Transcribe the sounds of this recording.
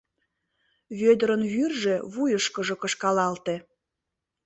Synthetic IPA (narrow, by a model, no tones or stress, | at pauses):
βød̪əɾənβyrʒeβujəʃkəʒɤkəʃkɑlɑlt̪e